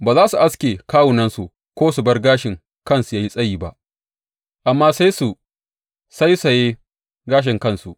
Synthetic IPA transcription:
baː˨zaː˦su˨ʔa˦skʲeː˨kaː˦wu˨nɐ˦nsu˨ʔ | kʷoː˦su˨bɐ˦rɡaː˦ʃɪ˨ŋ | kɐ˦nsu˨jaː˦ji˦sʼɐ˦jiː˨ba̰˦ʔ | ʔa˨mːaː˦sa˦jsu˨ | sa˦jsɐ˨jeː˦ | ɡaː˦ʃ̬ɪ˨ŋkɐ˦nsu˨ʔ

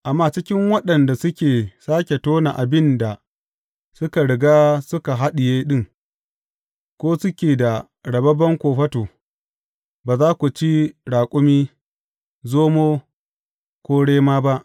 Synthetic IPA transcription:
ʔa˨mːaː˦˨t͡ʃɪ˦kʲɪ˦ŋwɐ˦ɗɐ˨nda˨sʊ˦kʲeː˨saː˦kʲe˨toː˦na˨ʔa˨bɪ˦nda˨ | sʊ˦ka˨ɽɪ˨ɡaː˦sʊ˦ka˨ɦa˦ɗɪ˨jeː˦ɗɪ˦˨ŋ | kʷoː˦sʊ˦kʲeː˨da˨ | ɽɐ˨bɐ˦bɐ˦ŋkʷoː˨ɸɐ˦toː˨ | baː˨zaː˦kʷu˨t͡ʃi˦ɽaː˨kʷʼʊ˦miː˦ | zoː˦moː˦ | kʷoː˦ɽeː˦maː˦ba˦ʔ

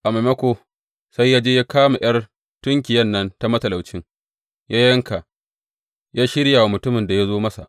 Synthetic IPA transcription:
ʔa˨me˨mɐ˦kʷo˦ | sa˦jːaː˦d͡ʒeː˦jaː˦kaː˦ma˨j̰ɐ˦r | tʊ˦ŋkʲɪ˨jɐ˦nːɐ˦nta˦mɐ˦tɐ˨la˨wt͡ʃɪ˦ŋ | jʔaː˦jɐ˦ŋka˨ | jaː˦ʃɪ˦ɽja˨wa˨mʊ˨tʊ˦mɪ˨nda˨ja˦zoː˦mɐ˦sa̰˨ʔ

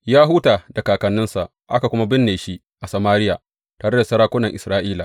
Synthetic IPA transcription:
jaː˦ɦʊ˦taː˨da˨kaː˨kɐ˨nːɪ˦nsa˨ʔ | ʔa˦ka˨kʷʊ˦ma˦bɪ˦nːeː˨ʃi˦ | ʔa˨sɐ˨maː˦ɾɪ˦jaː˨ | taː˨ɽe˦da˨sɐ˦ɾaː˦kʷʊ˦nɐ˨ŋʔɪ˨sɾaː˦ʔiː˦laː˨

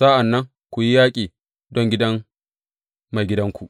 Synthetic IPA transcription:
saː˦ʔa˨nːɐ˦ŋ | kʷu˨ji˦jaː˦kʲʼiː˨ | dɔ˦ŋɡʲɪ˦dɐ˦m | ma˨jɡʲɪ˦dɐ˦ŋkʷu˨ʔ

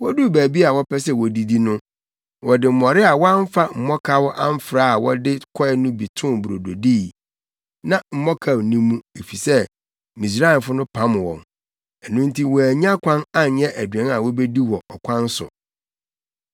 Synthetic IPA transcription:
wɔ˦du˦˨bæː˨bi˦a˨wɔ˦pʰɛ˦s̬ɛ˦˨wɔ˨di˨di˦nʊ̃˦ | wɔ˨dɪ˨m̩˨mɔ˨ɾɪ˦a˨wɔ˦a˦ɱ˦fa˦m̩˨mɔ˦kʰa˦wɔ˦ʔã˦m̩˦fɾaː˦a˨wɔ˦dɪ˦kʰɔ˦ɛ˦nʊ̃˦bi˨tʰʊ̃˦˨bu˨ɾo˨do˨diː˦˨ | nã˨m̩˨mɔ˦kʰa˦˨wnĩ˦mũ˦e˨fi˨sɛ˦ | mĩ˨s̬ɾa˦ɪ˨nfʊ˦nʊ̃˦pʰã˦m˨wɔ̰̃˨n | ɛ˨nʊ̃˦n̩˦tʰi˦wɔ˨æ˨ɲ˦ã˦kʷʰã˦na˦njɛ˦ʔæ˨dɥɛ̃˦ŋa˨wɔ˦be˦di˦wɔ˨ʔɔ˨kʷʰã˦n˦sʊ̰˨

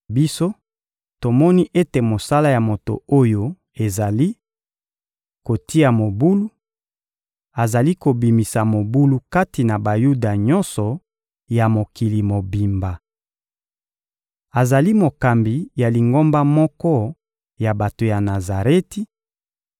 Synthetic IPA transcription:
bi˦so˦ | to˨mɔ˦ni˦ʔe˦te˨mo˨sa˦la˦ja˨mo˨to̰˨o˦jo˦ | e˨za˨li˦ | ko˨ti˦a˨mo˨bu˦lu˦ | a˨za˨li˦ko˨bi˨mi˨sa˨mo˨bu˦lu˦ka˦ti˨na˨ba˨ju˦da˨ɲɔ̃˦nsɔ˨ | ja˨mo˨ki˨li˨mo˨bi˨mba˨ | a˨za˨li˦mo˨ka˨mbi˨ja˨li˨ŋɡo˦mba˦mɔ˦kɔ˦ | ja˨ba˨to˨ja˨na˨za˨ʁe˦ti˦

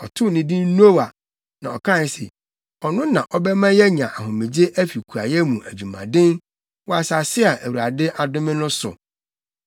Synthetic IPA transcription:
ɔ˨tʰʊ˦˨nɪ̃˦dĩ˦n˦n˦o˦wa˨ | nã˨ɔ˨kʰã˦˨n˦sɛ̰˨ | ɔ˨nʊ̃˦nã˨ʔɔ˦bɛ˦mã˦jɛ˦ɲã˨ʔa˨ɦʊ̃˨mĩ˨d͡ʑe˦ʔæ˦fi˨kʰu˨a̰˨jɛ˦mũ˨ʔæ˨d͡ʑu˨mã̰˨dɪ̃˦n | wɔ˦a˨sa˨sɪ˦a˨ʔæ˨wu˨a˨dɪ˦ʔa˨dʊ̃˦mɪ̃˦nʊ̃˦sʊ̰˨

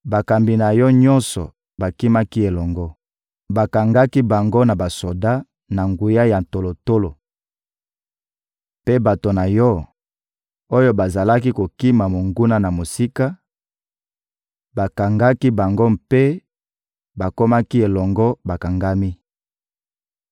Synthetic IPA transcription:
ba˨ka˨mbi˨na˨jɔ˦ɲɔ˦nsɔ˨ | ba˨ki˦ma˦ki˦e˨lɔ˨ŋɡɔ˦ | ba˨ka˨ŋɡa˦ki˦ba˨ŋɡo˦na˨ba˨so˨da˦ | na˨ŋɡu˨ja˦ja˨n̩˨to˨lo˨to˦lo˨ | pe˦ba˨to˨na˨jɔ˦ | o˦jo˦ba˨za˨la˦ki˦ko˨ki˦ma˨mo˨ŋɡu˦na˦na˨mo˨si˦ka˦ | ba˨ka˨ŋɡa˦ki˦ba˨ŋɡo˦mpe˦ | ba˨ko˦ma˦ki˦e˨lɔ˨ŋɡɔ˦ba˨ka˨ŋɡa˦mi˦

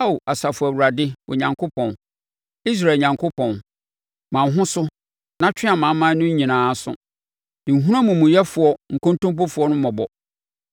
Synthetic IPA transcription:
a˦o˨a˨sa˨fʊ˨æ˨wu˨ɾa˨dɪ˦wʔɔ˨ɲã˨ŋkʰo˦pʰɔ̃˨n | i˦s̬ɾa˨ɲã˨ŋkʰo˦pʰɔ̃˨n | mã˨ɦʊ̃˦sʊ˦ | nã˦t͡ɕʰᶣɪ˦a˨mã˨˦mã˦nʊ̃˦ɲ˦ɲĩ˨nãː˨˦sʊ̰˦˨ | nĩ˨ɦũ˦ɾã˦mũ˨mũ˨jɛ˦fʊ˨ɔ˦ŋ̩˨kõ˦n˦tũ˦mp̬ɔ˦fʊ˨ɔ˦nʊ̃˦mɔ̃˨bɔ˨

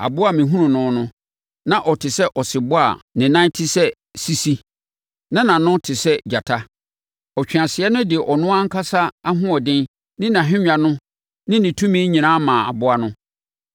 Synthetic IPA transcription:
a̰˨bʊ˦a˦mɪ̃˨ɦũ˦nʊ̃˨nʊ̃˨˦nʊ̃˦ | nã˦ʔɔ˨tʰɪ˨sɛ˦ʔɔ˨sɪ˨bʊ˦a̰˨nɪ̃˨nã˦tʰɪ˦sɛ˦ | si˦si˦ | nã˦nã˨nʊ̃˦tʰɪ˨sɛ˦d͡ʑa˨tʰa˦ | ɔ˨t͡ɕᶣã˨sɪ˨ɛ˦nʊ̃˦dɪ˨ɛ˨ʔɔ˨nʊ̃˦ã˦ŋ̩˦kʰa˦sa˦a˦ɦʊ̃˦ɔ˨dɪ̃˦n | nɪ̃˦nã˨ɦᶣɪ̃˦ɲᶣ˦ã˨nʊ̃˦ | nɪ̃˦nɪ̃˨tʰũ˦mĩ˦ɲĩ˨nã˦mã˨a̰˨bʊ˦a˦nʊ̃˦

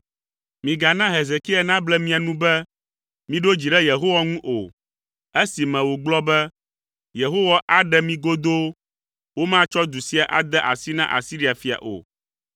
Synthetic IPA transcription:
mĩ˨ɡa˨nã˦ɦe˨ze˨ki˦a˨nã˦blɛ˦mĩ˦a˨nũ˦bɛ˦ | mĩ˦ɖo˦d͡ʑi˨ɖɛ˦je˨ɦo˦wa˦ŋũ˦ʔo̰˨ | e˦si˨mɛ̃˨wo˨ɡ͡blɔ˦bɛ˦ | je˨ɦo˦wa˦ʔa˨ɖɛ˦mĩ˦ɡo˦d̪o˦ | wo˦mã˦t͡ʃɔ˦d̪u˨si˦a˨ʔa̰˨d̪ɛ˦ʔa̰˨si˦nã̰˦ʔa̰˨si˦ɾi˦a˨fi˨a̰˨ʔo̰˨

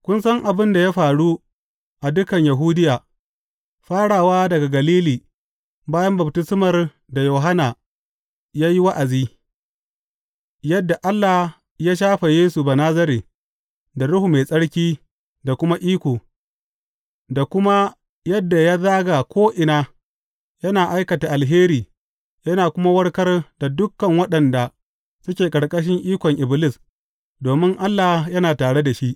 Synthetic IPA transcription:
kʷʊ˦nsɐ˦ŋʔa˨bɪ˦nda˨ja˦ɸaː˨ɽu˦ | ʔa˨dʊ˦kɐ˨ɲja˨ɦuː˦dɪ˦jaː˨ | ɸaː˦ɽaː˨waː˦dɐ˨ɡa˨ɡɐ˨liː˦liː˨ | baː˦jɐ˦mbɐ˨btʊ˦sʊ˦mɐ˨r | da˨joː˨ɦa˦naː˨ | jaː˦ji˦wa˦ʔa˨ziː˦ | jɐ˦dːa˨ʔa˦lːa˨h | jaː˦ʃ̬aː˦ɸa˨jeː˦su˨ba˨naː˦zɐ˦ɾiː˨ | da˨ɽʊ˦hu˨me˨sʼɐ˦ɽkʲiː˦ | da˨kʷʊ˦ma˦ʔiː˦kʷoː˨ | da˨kʷʊ˦ma˦ | jɐ˦dːa˨ja˦zaː˦ɡa˨kʷoː˦ʔɪ˨naː˦ | jɐ˦naː˨ʔa˦jkɐ˨ta˨ʔa˨lɦeː˦ɾiː˨ | jɐ˦naː˨kʷʊ˦ma˦wɐ˦ɽkɐ˦rda˨dʊ˦kːɐ˨ŋwɐ˦ɗɐ˨nda˨ | sʊ˦kʲeː˨kʼɐ˨ɽkʼɐ˦ʃ̬ɪ˦ŋʔiː˦kʷɔ˨ŋʔɪ˨blɪ˦s | doː˨mɪ˦ŋʔa˦lːa˨hjɐ˦naː˨taː˨ɽe˦da˨ʃi˦ʔ

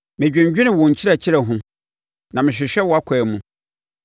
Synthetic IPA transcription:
mɪ̃˨d͡ʑᶣɪ̃˨ɲ˦d͡ʑᶣɪ˦nɪ̃˨wɔ̃˨ɲ̩˨t͡ɕʰɪ˦ɾɛ˨t͡ɕʰi˦ɾɛ˨ɦʊ̃˦ | nã˨mɪ̃˨ɕᶣɪ˨ɕᶣɛ˦wɔ˨a˦kʰɛː˨mũ˨

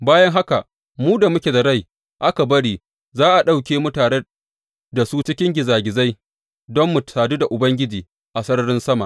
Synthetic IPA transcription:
baː˦jɐ˦ŋɦa˦ka˨ | muː˦da˨mʊ˦kʲe˨da˨ɽa˦˨j | ʔa˦ka˨bɐ˦ɽiː˨ | zaː˦ʔa˨ɗa˦wk̬ʲeː˦mʊ˦taː˨ɽe˦ | da˨suː˦t͡ʃɪ˦kʲɪ˦ŋɡʲɪ˨zaː˨ɡʲɪ˨za˦j | dɔ˦mːʊ˨tsaː˨duː˦da˨ʔʊ˨bɐ˦ŋɡʲɪ˦d͡ʒiː˨ | ʔa˨sɐ˦ɽɽɪ˦nsɐ˦ma̰˨

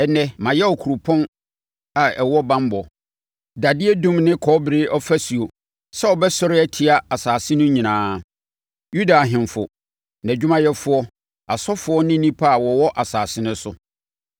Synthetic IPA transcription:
ɛ˨nɛ̃˦mã˨jɛ˦ɔ˨kʰu˨ɾu˨pʰɔ̃˦n | a˨ɛ˨wɔ˦bã˦mbɔ˨ | da˨dɪ˦e˦dũ˦mnɪ̃˦kʰɔ˨˦bɾɪ˦ʔɔ˦fæ˦si˨o˨ | sɛ˦ɔ˨bɛ˦sɔ˦ɾɪ˦ɛ˦tʰi˨a˦a˨saː˨sɪ˦nʊ̃˦ɲĩ˨nãː˦ | ju˦da˨ɦɪ̃˨nfʊ˨ | n˨æ̃˨d͡ʑᶣu˦mã˦jɛ˦fʊ˦ɔ˦ | a˨sɔ˦fʊ˦ɔ˦nɪ̃˦nĩ˦pʰa˦a˨wɔ˨wɔ˦ʔa˨saː˨sɪ˦nʊ̃˦sʊ˦

